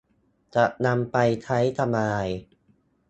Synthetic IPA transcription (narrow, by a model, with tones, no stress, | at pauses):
t͡ɕa˨˩ʔna˧mpa˧jt͡ɕʰa˦˥jt̪ʰa˧maː˧j